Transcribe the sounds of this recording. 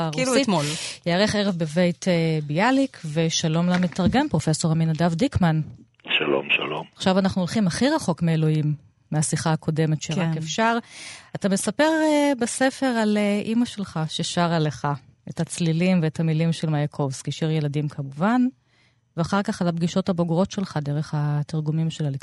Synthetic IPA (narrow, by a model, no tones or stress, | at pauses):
ʁtmoljeːʁeχeʁevbevejtebijalikʰveʃalo̞mlametaʁɡe̞mpʁo̞fe̞so̞ʁaminadavdikman | ʃalo̰mʃa̰lo̰maχʃavanaχnuolχimaχiʁaχo̞kmeelo̞imː | easiχaːkʰo̞de̞metʃeʁakefʃaʁatame̞sape̞ʁbese̞fe̞ʁaleʔimaʃe̞lχaʃeʃaʁaleχa | ethat͡slilimveethamilimʃe̞lmajakʰo̞vskiʃiʁje̞ladimkʰamuvan | veaχaʁkaχalabɡiʃo̞thabo̞ɡʁo̞tʃe̞lχadeʁe̞χhatiʁɡumimʃelalik